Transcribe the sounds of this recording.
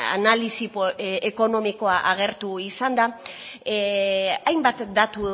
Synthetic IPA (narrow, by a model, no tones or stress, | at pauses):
a̰nalisipeko̞no̞miko̞aʔaɣ̞e̞ɾt̪uisand̪a | ajmbat̪d̪at̪u